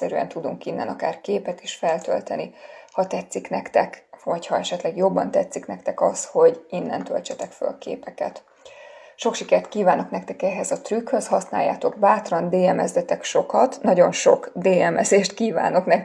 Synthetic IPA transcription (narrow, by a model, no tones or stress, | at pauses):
sɛɾyɛ̰nt̪ud̪uŋkinːɛ̰nɒka̰ːrkeːpɛt̪i̥ːʃfɛlt̪ø̞̰lt̪ɛnihɒt̪ɛt̪sːiknɛkt̪ɛkvɒchɒɛʃɛt̪lɛɡjo̞bːɒ̰nt̪ɛt̪sːiknɛkt̪ɛkɒst̪ho̞ɟinːɛ̰nt̪ø̰lt͡ʃɛt̪ɛkfø̰lkḛːpɛkɛ̰t̪ | ʃo̞kʃikɛrt̪kiːvaːno̞knɛkt̪ɛkɛɦɛzɒt̪rykhø̞shɒsna̰ːjːa̰ːt̪o̞ɡ̚baːt̪rɒnd̪eːɛmɛzːɛt̪ɛkʃo̞kɒt̪nɒɟo̞nʃo̞kd̪eːɛmɛzeːʃt̪kiːva̰ːnoknɛk